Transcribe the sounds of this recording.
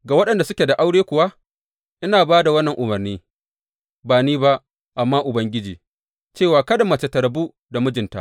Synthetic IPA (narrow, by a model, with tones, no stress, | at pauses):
ɡaː˨wɐ˦ɗɐ˨nda˨sʊ˦kʲe˨da˨ʔa˦wɽeː˦kʷʊ˨wa˦ʔ | ʔɪ˦naː˨baː˦da˨wɐ˦nːɐ˨ŋʔʊ˨mɐ˨rniː˦ | baː˨niː˦ba˦ʔ | ʔa˨mːaː˦ʔʊ˨bɐ˦ŋɡʲɪ˦d͡ʒḭː˨ | t͡ʃeː˦˨waː˨kɐ˦da˨mɐ˨t͡ʃe˨tɐ˨ɾɐ˨bu˦ | da˨mʊ˦d͡ʒɪ˨nta̰˦ʔ